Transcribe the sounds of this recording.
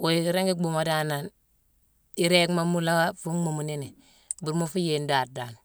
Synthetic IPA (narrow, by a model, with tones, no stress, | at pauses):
wo˨i˨ɾe˦ŋɡi˦bu˨ma˨da˦na˨n | i˨ɾe˦kma˦mu˦la˦wa˦fu˦mu˨mu˨ni˦ni˨ | bu˨ɾmu˦fu˦je˨ndaː˨ɾda˨n